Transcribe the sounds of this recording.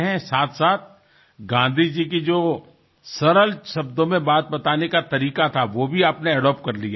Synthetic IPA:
ɦɛ̃saːt̪ʰsaːt̪̚ʰ | ɡãːnd̪ʱid͡ʒik̬id͡ʒoː | sɐɾəlʃɐbd̪õmẽbaːt̪̚bɐt̪aːnekat̪ɐɾiːkat̪ʰaʋoːbʱiaːpneɛɖɔːp̚kɐɾlia

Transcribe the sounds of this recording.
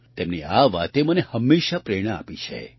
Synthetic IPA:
t̪emniaʋat̪emənehəmːeʃapɾeɽ̃aa̰pit͡ʃʰḛ

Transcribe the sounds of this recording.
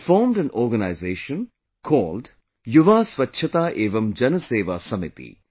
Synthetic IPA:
fɔːɾmɖɛ̃nɔːɾɡɐnaɪzeːʃə̃n | kʰɔːlɖ | juʋaːsʋɐtːʃʰɐt̪aːʔeːʋɐmd͡ʒɐnɐseːʋasɐmit̪ḭ

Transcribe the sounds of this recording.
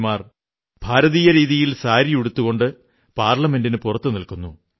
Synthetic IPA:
maːr | b̥ʱaːɾɐðiːjɐɾiːðijilsaːɾijuɽut̪ːuɣo̞ɳɖɨ | paːrɭɐme̞ndinɨpurɐt̪ːɨnilkunːu

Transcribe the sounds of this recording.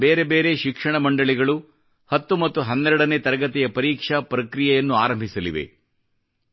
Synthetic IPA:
be̞ːɾe̞be̞ːɾe̞ʃikʂɐɳɐmɐɳɖɐɭiɡɐɭu | hɐt̪ːumɐt̪ːuɦɐnːɛɾɛɽɐne̞ːt̪ɐɾɐɡɐt̪ijɐpɐɾiːkʂɐpɾɐkɾijɐjɐnːuaːɾɐmbʱisɐlḭʋḛ

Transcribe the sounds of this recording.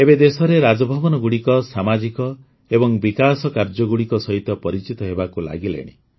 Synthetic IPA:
ebed̪esɔɾeɾad͡ʒɔbʱɔbɔnɔɡuɽikɔsamad͡ʒikɔ | ebɔŋbikasɔkaɾd͡ʒɔɡuɽikɔsɔɦit̪ɔpɔɾit͡ʃit̪ɔɦebakula̰ɡilḛɽ̃ḭ

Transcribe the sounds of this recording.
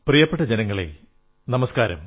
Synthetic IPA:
prijɐpːeʈːɐd͡ʑenɐŋːɐɭḛ | nɐmɐskaːɾɐ̰m

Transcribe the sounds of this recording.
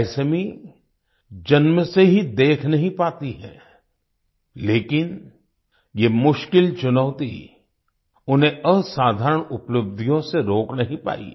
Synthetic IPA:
ɛsemĩ | d͡ʒɐnməseɦid̪eːkʰnɐɦĩpaːt̪iɦɛ̰̃ː | leːkɪn | jemʊʃkɪlt͡ʃʊnəʊt̪i | ʊnɦẽəsaːd̪ʱaːɾəɳ̃ʊpləb̚d̪ʱijõseɾoːknɐɦĩpa̰ːḭ

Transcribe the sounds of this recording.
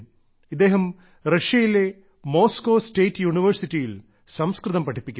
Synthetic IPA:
id̪ːe̞ːɦɐm | reʂjɐjile̞ | mo̞ːskoːste̞ːtːɨjuːɳiʋɐrsitːijil | sɐmskrɨðɐmpɐʈʰipːikʲː

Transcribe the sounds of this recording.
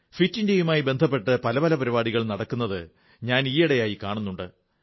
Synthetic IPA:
fitːindejumaːjibe̞nd̪ʱɐp̬ːe̞ʈːɨpɐlɐpɐlɐpɐɾibaːɽiɣɐɭnɐɽɐkːunːɐðɨ | ɲaːniːjɐɽejaːjikaːɳunːuɳɖɨ

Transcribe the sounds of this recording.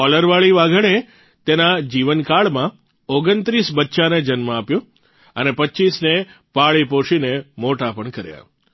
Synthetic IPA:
ɔləɾʋaɭiʋaɡəɽe | t̪enad͡ʒiʋənkaɭmã | oɡənt̪ɾisbətːʃaned͡ʒənmãapjõ | ənepətːt͡ʃisne | paɭipoʃinemoʈapəɳkəɾja̰

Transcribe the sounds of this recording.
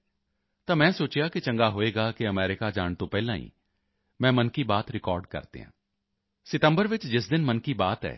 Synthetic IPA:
t̪ãːmɛ̃ːsoːt͡ʃjaːkɪt͡ʃə̃ŋɡaːɦoːeːɡaːkiəmɛːɾɪkaːd͡ʒaːɳt̪õːpɛːlãːḭː | mɛ̃ːmənkiːbaːt̪ɾɪkɔːɾɖkə̰ɾd̪ḛːã̰ː | sɪʈ̪əmbəɾʋɪt͡ʃd͡ʒɪsd̪ɪnmənkiːbaːt̪ɛ̰ː

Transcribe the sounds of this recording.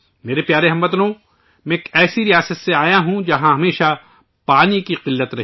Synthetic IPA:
meːɾepjaːɾeɦɐmbɐt̪nõ | mẽkɛːsiɾijaːsət̪seaːjaɦũd͡ʒɐɦãɦɐmeːʃa | paːnikiqɪlːət̪ɾɐ

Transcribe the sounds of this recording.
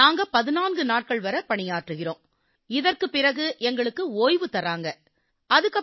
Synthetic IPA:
aːŋɡɐpɐðɪnaːnɡɯnaːʈ̚kɐɭʋɐɾɐpɐɳɪjaːʈrɯɣɪroːm | ɪðɐrkɯpːɪrɐɣɯʔɛŋɡɐɭɯkːɯoːjʋɯt̪ɐɾaːŋɡɐ | ɐðɯkːɐ

